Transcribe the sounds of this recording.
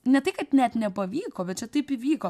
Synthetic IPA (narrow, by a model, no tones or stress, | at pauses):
nʲɛt̪ɐɪkɐtnʲɛt̪nʲɛpɐʋʲiːkoːbʲɛt̪t͡ʃʲɛt̪ɐɪpɪʋʲiːkoː